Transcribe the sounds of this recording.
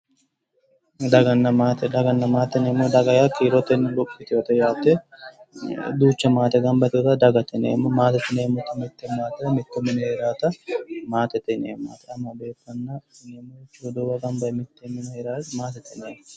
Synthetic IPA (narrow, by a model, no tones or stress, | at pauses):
d̪ɐɡɐnːɐmaːt̪ɛd̪ɐɡɐnːɐmaːt̪ːɛnemːoːd̪ɐɡɐjakʰiːɾɔt̪ːɛnːlʊpʼːɪt̪ɪot̪ɐjaːt̪ːɛ | d̪uːt͡ʃːɛmaːt̪ɛɡɐmbɐt̪ɪɔt̪ɐd̪ɐɡɐt̪ːɛnḛːmːɐmaːt̪ɛt̪ːɪneːmːɔt̪ːɪmɪt̪ːɛmaːt̪ɛɾɐmɪt̪ːɛmɪnɐheːɾaːt̪ɐmaːt̪ɛt̪ːɛnḛːma̰ːt̪ɛɐmːɐbeːkːɐnːɐemːot͡ʃːod̪oːbɐɡɐmbɐmɪt̪ːemɪnɐheːɾaːmaːt̪ɛt̪ːɛneːm